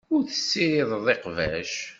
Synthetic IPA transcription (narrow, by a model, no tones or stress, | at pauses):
ʊɾθə̥sːiɾɪðˤðˤeqvæʃ